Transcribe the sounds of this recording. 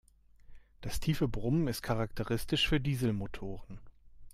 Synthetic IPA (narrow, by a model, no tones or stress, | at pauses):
d̥astʰiːfəbʁʊməmɪst̚kʰaʁak̚tʰəʁɪstɪʃfyːɐdiːzl̩motʰoːʁən